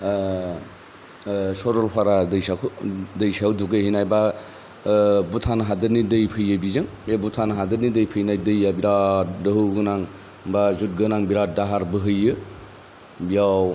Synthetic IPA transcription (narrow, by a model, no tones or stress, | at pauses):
sɔɾɔlpʰaɾadɯjsakʰudɯjsawduɡɯɦinajba | butʰanaɦadɯɾnidɯjpʰɯjɯbizɯŋebutʰanaɦadɯɾnidɯjpʰɯjnajdɯjabiɾadɯɦɯɡɯnaŋ | bazut̚ɡɯnaŋbiɾat̚daɦaɾbɯɦɯjɯ | bijaw